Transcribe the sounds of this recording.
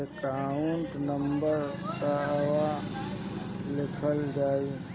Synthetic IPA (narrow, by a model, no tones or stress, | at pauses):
ekaːuɳʈnəmbəɾt̪aəʋaː | lɪkʰəld͡ʒaːiː